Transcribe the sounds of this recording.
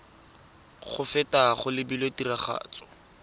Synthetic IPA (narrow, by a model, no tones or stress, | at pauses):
χʊfɛtaχʊlɪbilotiraχa̰ːt͡sɔ̥